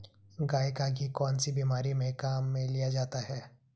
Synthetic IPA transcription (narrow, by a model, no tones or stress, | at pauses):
ɡaːjkaɡikɔːnsibiːmaːɾimẽkaːmːẽlijad͡ʒaːt̪aɦɛː